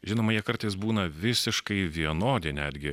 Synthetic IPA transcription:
ʒʲɪnoːmɐjikɐɾt̪ɐɪs̬buːnɐʋʲɪsʲɪʃkɐɪʋʲiɛnoːd̪ʲɛnʲæːd̪ʲɡʲɪ

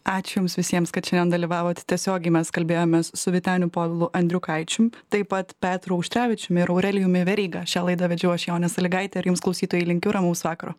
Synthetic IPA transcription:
ɑːt͡ʃʲʊjʊmsʋʲɪsʲiɛmskɐt̪ʃʲɪnʲɛnd̪ɐlʲiʋɑːʋoːt̪ʲt̪ʲiɛsʲoːɡʲɛɪmʲɛskɐlʲbʲeːjoːmʲeːssʊʋʲɪt̪ʲæːnʲʊpoːbʲɪlˠʊʔɐnʲd̪ʲɾʲʊkɐɪt͡ʃʲʊmt̪ɐɪpɐt̪pʲæːt̪ɾʊɐʊʃʲt̪ɾʲæːʋʲɪt͡ʃʲʊmʲɪɾɐʊɾʲɛlʲɪjʊmʲɪʋʲɛɾʲiːɡɐʃʲæːlˠɐɪd̪ɐʋʲɛd͡ʒʲɛʊɐʃʲɛjoːnʲɛsɐlʲɪɡɐɪt̪ʲɛɪɾjʊmsklˠɐʊsʲiːt̪oːjɛɪlʲɪŋʲkʲʊɾɐmɐʊsʋɑːkɐɾoː

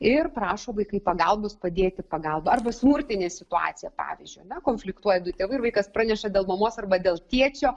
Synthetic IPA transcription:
ɪrpɾɑːʃoːʋɐɪkɐɪpɐɡɐlˠboːspɐd̪ʲeːt̪ʲɪpɐɡɐlˠbɐɐrbɐsmʊɾʲt̪ʲɪnʲeːsʲɪt̪ʊɑ̰ːt̪sʲɪjɛpɑ̰ːʋʲɪzʲd͡ʒʲʊɪjɐnʲɛkoːnʲfʲlʲɪkt̪uɔjɛd̪ʊt̪ʲeːʋɐɪɾʋɐɪkɐspɾɑːnʲɛʃɐd̪ʲeːlˠmɐmoːsɐrbɐd̪ʲeːlˠt̪ʲiɛt͡ʃʲoː

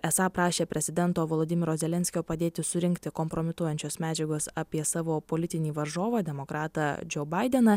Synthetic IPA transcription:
ɛsɑːpɾɑːʃʲeːpʲɾʲɛzʲɪd̪ʲɛnt̪oːʋoːlˠoːd̪ʲɪmʲɪɾoːzʲɛlʲɛnʲsʲkʲoːpɐd̪ʲeːt̪ʲɪsʊɾʲɪŋʲkt̪ʲɪkɔmpɾomʲɪt̪uɔjɛnʲt͡ʃʲoːsmʲæːd͡ʒʲɛɡoːsɑːpʲiɛsɑːʋoːpoːlʲɪt̪ʲɪnʲiːʋɐɾʒoːʋɐːd̪ʲɛmoːkɾɑːt̪ɐd͡ʒʲoːbɐɪd̪ʲɛnɐ

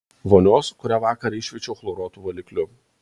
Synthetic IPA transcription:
ʋoːnʲoːskʊɾʲæːʋɑːkɐɾɐɪʃʲʋʲɛt͡ʃʲɛʊxlˠoɾoːt̪uːʋɐlʲɪklʲʊ

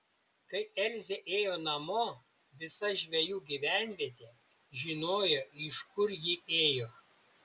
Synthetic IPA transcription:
kɐɪʔɛlʲzʲeʔeːjoːnɐmoː | ʋʲɪsɐʒʲʋʲɛjuːɡʲiʋʲæˑnʲʋʲiɛt̪ʲeː | ʒʲɪnoːjoɪʃkʊɾjɪʔeːjoː

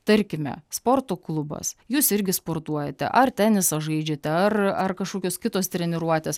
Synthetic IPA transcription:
t̪ɐɾʲkʲɪmʲɛ̰spoːɾt̪oːklˠʊbɐ̰sjuːsɪɾʲɡʲɪspoːɾt̪uɔjɛt̪ʲɛ̰ʔɐrt̪ʲɛnʲɪsɐʒɐɪd͡ʒʲet̪ʲɛɐrɐrkɐʃkoːkʲoːskʲɪt̪oːst̪ʲɾʲɛnʲɪɾuɔt̪ʲeːs

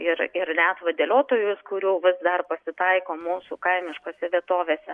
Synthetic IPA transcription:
ɪɾɪɾnʲæt̪ʋɐd̪ʲeːlʲoːt̪oːjʊskʊɾʲuːʋʲɪsd̪ɐrpɐsʲɪt̪ɐɪkoːmuːsukɐɪmʲɪʃkoːsʲɛʋʲiɛt̪oːʋʲeːsʲɛ

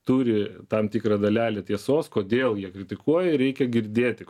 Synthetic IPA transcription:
t̪uːɾʲɪt̪ɐmt̪ʲikrɐd̪ɐlʲæːlʲet̪ʲiɛsoːskoːd̪ʲeːlˠjiɛkɾʲɪt̪ʲɪkuɔjɛɪɾʲɛɪkʲɛɡʲɪɾʲd̪ʲeːt̪ʲɪ

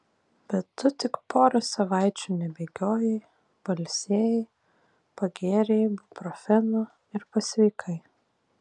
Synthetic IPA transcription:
bʲɛt̪ːʊt̪ʲɪkpʰoːɾɐsɐʋɑˑɪt͡ʃʲuːnʲɛbʲeːɡʲoːjɛɪ | b̥ɐlʲsʲeːjɛɪ | pɐɡʲeːɾʲɛɪbpɾɔfʲɛnʊ | ɪɾpɐsʲʋʲɛɪkʰɐɪ

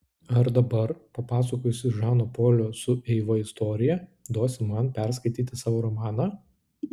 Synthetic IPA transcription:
ɐɾd̪ɐbɐɾpɐpɑːs̬ɐkoːjʊsʲɪʒɑːnoːpoːlʲoːsʊʔɛɪʋɐɪst̪oːɾʲɪjɛd̪oːsʲɪmɐnpʲɛɾskɐɪt̪ʲiːt̪ʲɪsɑːʋoːɾɔmɑːnɑː

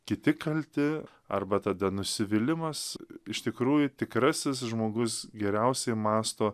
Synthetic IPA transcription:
kʲɪt̪ʲɪkɐlʲt̪ʲɪ | ɐ̰rbɐt̪ɐd̪ɐnʊsʲɪʋʲɪlʲɪmɐsɪʃt̪ʲɪkɾuːjʊt̪ʲɪkɾɐsʲɪsʒmoːɡʊsɡʲɛɾʲɛʊsʲɛɪmɑːst̪oː

